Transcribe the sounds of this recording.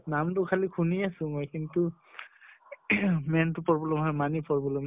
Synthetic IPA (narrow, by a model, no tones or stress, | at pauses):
namtʊkʰalikʰuniasʊ̃mojkintu | mɛntʊpɔɹbɔlɔmɦɔjmanipɔɹbɔlɔm